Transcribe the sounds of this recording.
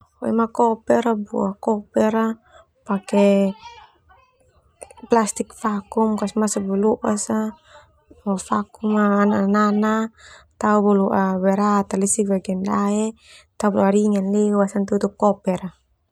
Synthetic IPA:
ɔɛ̰makɔpɛɾabṵakɔpɛɾa | pakɛ | plast̪ikfakumkasmasabɔluʔasa | afakumaːnananat̪aubɔluʔawɛɾat̪alisibaɡɛndaɛ | t̪aubluaɾiŋanliuwasant̪ut̪ukɔpɛɾa

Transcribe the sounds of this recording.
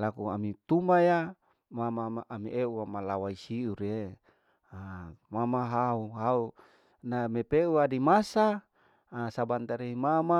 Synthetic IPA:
lakua̰mit̪umaja | mamamaʔamiʔeuamalawaisiuɾe | amamaɦauɦau | namepeuadimasa | sabant̪aɾeimama

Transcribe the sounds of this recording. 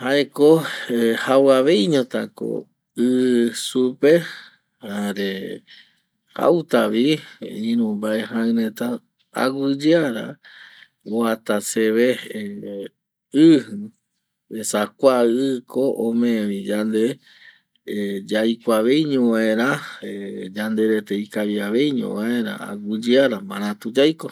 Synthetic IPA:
haekohawaʋe̞jɲõt̪ako̰ | ɨsupe | haɾe | ha̰wt̪aʋiĩɾ̃ũmbaeɦãɾẽt̪a | a̰wɨd͡ʒaɾa̰ | oat̪aseβe | ɨh | esakʷaɨkʰoʔõmẽʋĩd͡ʒand̪e | d͡ʒajkʷaʋe̞jɲõʋaẽɾã | d͡ʒand̪e̞ɾet̪eikaʋiaʋe̞jɲõ̰ʋaẽ̞ɾa̰a̰ɡɨd͡ʒɨaɾamãɾ̃ãt̪ud͡ʒajko̞

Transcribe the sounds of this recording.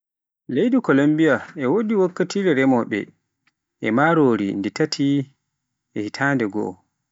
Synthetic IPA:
lejdukɔlombijaɛwodiwakːatiːɾɛɾɛmɔɓɛ̰ | ʔɛmaɾoːɾḭndɛtatʰi | ʔɛhitʰaːndɛɡɔ̰ɔ

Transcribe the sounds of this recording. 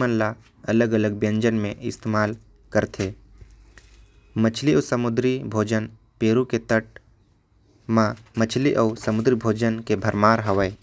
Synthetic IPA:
mənla | ɐləɡələɡbjə̃ɲd͡ʒənmẽʔɪst̪eːmaːl | kəɾt̪ʰeː | mət͡ʃʰliəːsəmʊd̪ɾibʱoːd͡ʒən | peːɾuket̪əʈ̚ | mãmət͡ʃʰliʔəʊsəmʊd̪ɾibʱoːd͡ʒənkebʱəɾmaːɾɦəʋəe

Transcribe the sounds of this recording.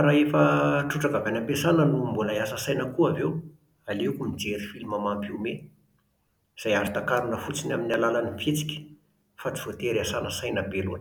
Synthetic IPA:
ɾaefəʈ͡ʂuʈ͡ʂakavanampesanənumbulajasəsajnəkuavew | aleukumid͡zeɾifilimamampime | iz̥ajaɾit̪akaɾunəfut͡sinaminialalanimfet͡si̥kʲə̥ | fat͡si̥v̥ot̪eɾiasanəsajnəbelue

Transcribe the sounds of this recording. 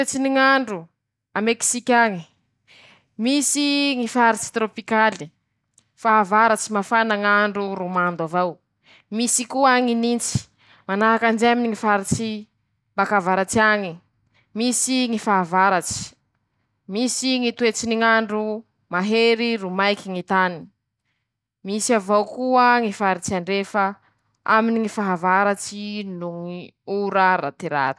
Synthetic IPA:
et͡siniŋaɳɖ͡ʐu | ameki̥sikʲaŋi̥ | misiŋifaɾit͡si̥t̪ɾopikali | faːvaɾat͡simafanaŋaɳɖ͡ʐuɾumand̪avaw | misikuaŋinint͡si̥ | manaɦakand͡ʒeminiŋifaɾit͡si | mbakavaɾat͡siaŋi | misiŋifaɦavaɾat͡ʃi̥ | misiŋit̪uet͡siniŋaɳɖ͡ʐu | maɦeɾiɾumajkʲiŋit̪ani | misiavawkuəŋifaɾit͡siaɳɖ͡ʐefə | a̰miniŋifaɦavaɾat͡ʃinuŋiuɾaɾa̰t̪iɾa̰ɾi̥

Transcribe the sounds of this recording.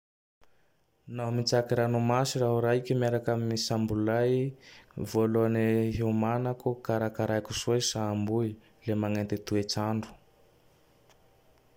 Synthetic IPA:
naɦmit͡sakiɾanumasiraɦuɾaikʲimiaɾakaminisambulaj | voloaniɦeumanakukaɾakaɾajkusosaːmbui | lemaŋant̪et̪uet͡saɳɖ͡ʐu̥

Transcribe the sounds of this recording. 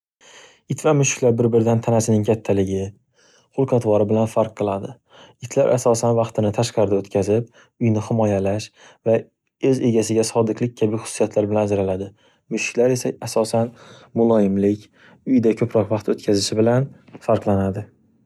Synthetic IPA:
ɪt̪vamʊʃɪ̥kʲlaɾbɪɾbɪɾd̪ant̪ʰanasɪnɪŋkʲʰat̪ʰːalɪɡʲɪ | qʊlˠqʰɑt̪vɒɾɪbɪlanfaɾqʰːɨlˠad̪ɪ | ɪt̪ʰlaɾʔasɒsanvɑqt̪ɪnɪt̪ʰaʃqɑɾɪd̪aot̪kʲʰazɪp̚ | ʊjnɪhɪmɒjalaʃva | ɵze̞ɡʲasɪɡʲasɒd̪ɪqlˠɪk̚ʲkʰabɪχʊ̥sːijat̪ʰlaɾbɪlanad͡ʒɾalad̪ɪ | mʊʃɪ̥kʲlaɾe̞saasɒsanmʊlˠɒjɪmlɪkʲ | ʊjd̪akʲʰɵpɾɒqvɑqt̪ot̪kʲʰazɪʃɪbɪlanfaɾqlˠanad̪ɪ

